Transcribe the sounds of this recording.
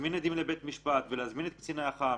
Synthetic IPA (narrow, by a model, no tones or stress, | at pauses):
minad̪imlebet̪miʃpat̪veleazminet̪̚kt͡sinaːχa